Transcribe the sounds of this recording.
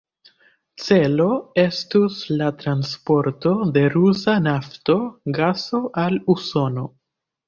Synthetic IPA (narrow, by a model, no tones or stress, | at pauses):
t͡se̞lo̞e̞stuslatɾanspo̞ɾto̞de̞ɾusanafto̞ɡaso̞ʔaluso̞no̞